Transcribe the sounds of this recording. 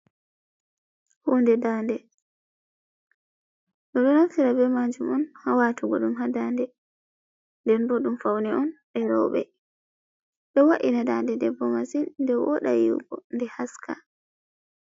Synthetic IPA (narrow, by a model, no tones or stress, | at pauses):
huːndɛdaːndɛ | ɗɔɗɔnatiɾabɛmad͡ʒumɔnhawatuɡɔɗumɦadandɛ | ndɛnbɔɗumfawnɛɔnɗɛɾɔ̰wɓɛ̰ | ɓɛwaʔinadandɛdɛbːɔmasinːdɛwɔɗa̰jḭwɡɔ̰ndɛhaskʰa̰